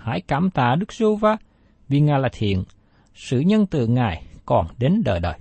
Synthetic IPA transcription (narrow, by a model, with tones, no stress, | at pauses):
ha̰ː˧˩˦jkaː˧˩mt̪a̰ː˧˨ɗɨ˦˥k̚zu˧vaː˧ | vi˨˩ŋaː˨˩jlaː˨˩t̪ʰḭ˧˨ən | sɨ̰˧˨ɲə˧nt̪ɨ˨ŋaː˨˩jkɔ˨˩nɗe˨˦nɗə̰ː˧˩jɗəː˨˩j